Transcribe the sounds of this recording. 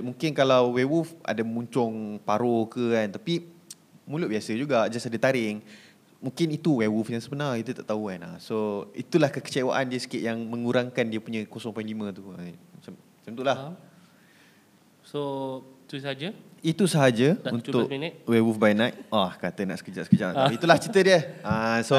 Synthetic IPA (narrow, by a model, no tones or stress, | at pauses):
muŋkɪnkalawwewufa̰damuɲt͡ʃɔŋpaɾokəkant̪api | mulʊʔ̚biasəd͡ʒuɡaʔd͡ʒasadət̪aɾɪŋ | muŋkɪnit̪uwewufjaŋsəbənait̪ut̪aʔt̪aukana̰soit̪ulahkəkə̥t͡ʃewa̰ʔandiəsə̥kiɪʔ̪̚jaŋmə̃ŋuɾaŋkandiəpuɲãkosɔŋpaĩlimə̃t̪uat͡ʃam | t͡ʃamt̪uʔlah | soit̪usəad͡ʒə | it̪usəɦad͡ʒəunʊʔanawewufbajnat̪̚ʔahkat̪əna̰ʔsə̥kəd͡ʒaʔsə̥kəd͡ʒaʔt̪ait̪ulaht͡ʃit̪ədiəaso